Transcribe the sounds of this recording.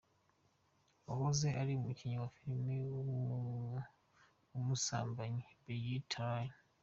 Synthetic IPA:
ohozeʔaɾimuciɲawafiɾimioβuuɲa | umusa̰ːmbaɲiβejitʰaɲi

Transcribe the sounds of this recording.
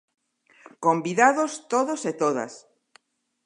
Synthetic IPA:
kombiðaðost̪oðoset̪oða̰s

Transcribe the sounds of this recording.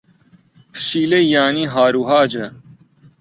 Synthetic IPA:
pʰə̥ʃiːlejaːniːɦaːɾuːɦaːd͡ʑɐ

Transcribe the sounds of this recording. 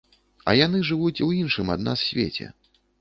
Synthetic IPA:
ɐ̰janɨʐɨvut͡sʲwinʂɨma̰d̪na̰ssʲvʲḛt͡sʲɛ̰

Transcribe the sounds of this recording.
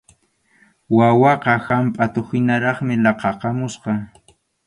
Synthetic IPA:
wawɑqɑhampʼat̪ʊxɪnaɾɑχmɪlɑqɑqɑmʊsqɑ

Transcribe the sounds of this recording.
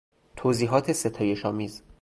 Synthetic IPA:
t̪ʰoːziːɦɒːt̪ʰe̞set̪ʰɒːje̞ʃɒːmiːz

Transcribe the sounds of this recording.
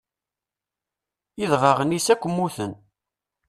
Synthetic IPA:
iðˤvɑʁənisækʷːəmːuθən

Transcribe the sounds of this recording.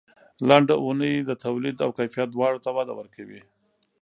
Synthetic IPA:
laɳɖaʔunəjd̪ət̪awlid̪awkajfijat̪̚d̪wɑɽot̪awɑd̪a̰wə̰ɾkawi

